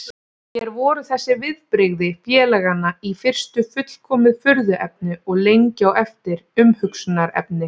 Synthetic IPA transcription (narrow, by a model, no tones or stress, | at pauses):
çɛɾvɔːɾʏθɛsːɪvɪðpɾɪɣðɪfjɛːlɛɣanːaifɪr̥st̪ʏfʏt̪l̥kʰɔːmɪðfʏɾðʏʔɛp̚nʏɔɣlejɲcawɛft̪ɪɾʏmhʏksʏnaɾɛ̰pnɪ